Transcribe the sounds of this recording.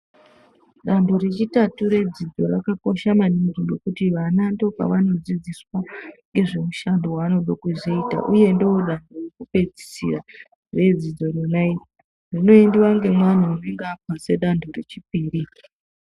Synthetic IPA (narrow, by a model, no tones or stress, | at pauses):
ɗandoɾe̞t͡ʃitatuɾe̞d͡zid͡zo̞ɾakako̞ʃamaniŋɡiŋɡo̞kutiʋanandoopa̰ʋano̞d͡zid͡ziswaŋɡe̞ʐe̞muʃandowaːno̞ɗokuʐiita̰ʔuje̞ndeoɗandʱowokupe̞d͡zi̥sḭra | re̞d͡zid͡zo̞ronai | rino̞endiwaŋɡe̞mwan̤uuneŋɡaːpase̞ɗandʰʱoret͡ʃipiːɾi